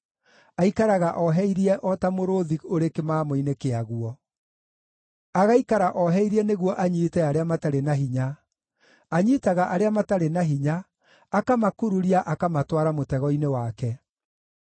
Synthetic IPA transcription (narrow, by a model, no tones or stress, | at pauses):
aikaɾaɣaʔɔɦɛiɾiɛʔɔtamoɾoðioɾekemamoinekeaɣuɔ | aɣaikaɾaʔɔɦɛiɾiɛneɣwɔʔaɲiːtɛaɾeamataɾenaɦiɲaː | ɲitaɣaʔaɾeamataɾenaɦiɲaː | kamakuɾuɾiaʔakamatwaɾamotɛɣɔinewakɛ